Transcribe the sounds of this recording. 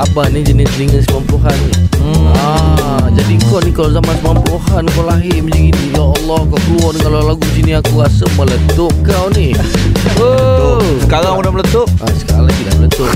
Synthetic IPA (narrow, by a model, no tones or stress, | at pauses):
abanid͡ʒənɪsniŋəsəmamploɦanːiad͡ʒadiŋkɔnikalawzamansəmampluhanŋkɔlaɦɪmd͡ʒiɡinijaːlːɔhkawkəluɔrnkalolaɡud͡ʒinɪakuɣasəmələt̪ʊʔ̚kawni | əsəkaɾaŋudamələt̪ʊʔ̚ʔasə̥ka̰lak̪idamələt̪ʊʔ̚